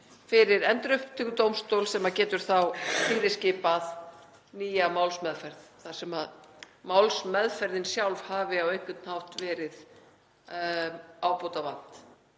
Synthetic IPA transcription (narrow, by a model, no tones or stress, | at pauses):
fɪɾɪɾɛnt̪ɾʏhpt̪ʰʏkʏt̪owmst̪owlsɛmacɛːt̪ʏɾ̥θawfiːɾɪscɪːpað | niːjamawlsmɛðfɛɾðθḁsɛmað | mawlsmɛðfɛɾðɪnsjawlv̥haːvɪawejhkʏt̪nhawht̪vɛːɾɪð | aːwpowt̪avan̥t̪